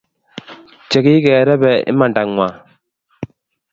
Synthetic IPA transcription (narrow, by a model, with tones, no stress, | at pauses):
t͡ʃɛ˨ki˦kɛ˨ɾɛ˦bɛ˨ḭ˦ma˨nda˨ŋŋwa˨